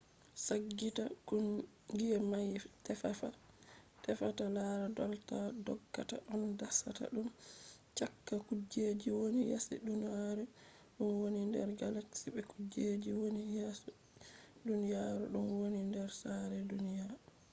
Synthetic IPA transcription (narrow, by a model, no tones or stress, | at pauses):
saɡːitakun | ɡiɛmajtɛfafa | tɛfatalaɾadɔltadɔɡːata̰ʔɔndasa̰ta̰ɗumt͡ʃakːakud͡ʒed͡ʒiwonija̰sɛ̰ɗunijaɾɛ | ɗunwonindɛ̰ɾɡalaksibɛkud͡ʒed͡ʒiwonijasɛ | dunijaɾɛ̰ɗunwonindɛɾsaɾɛdunijaɾ